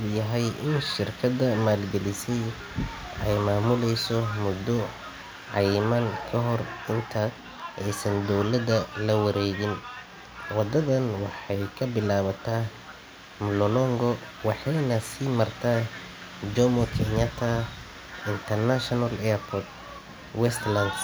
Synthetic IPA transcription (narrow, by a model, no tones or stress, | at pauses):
ʊjɐɦɛjɪnʃɪrkʰɐdɐmaːlɡɛlɪsɛj | ɛjmaːmʊlɛjsɔmʊd̪ɔ | ʕɑjmɐnkʰɐɦɔrɪnt̪ʰaɡ | ʔɛjsɐnd̪ɔwlɐd̪ɐlɐwɐɾɛːɣɪn | wɑd̪ɐðɐnwɑħɑjkʰɐbɪlaːβɐt̪ʰaː | mlɔlɔŋɡɔ | wɑħɑjnɐsiːmɐrt̪ʰaː | d͡ʒɔmɔkʰɛnat̪ʰɐ | ɪnt̪ʰɐrnaʃɔnalɛpʰɔt̪̚ | wɛst̪lɐnd̪